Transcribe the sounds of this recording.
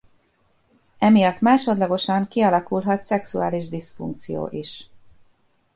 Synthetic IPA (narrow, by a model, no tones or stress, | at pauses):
ɛmijɒt̪ːmaːʃo̞d̪lɒɡo̞ʃɒŋkiɒlɒkulɦɒt̪sɛksuaːliʒd̪isfṵŋk̚t̪sijo̰ːʔiʃ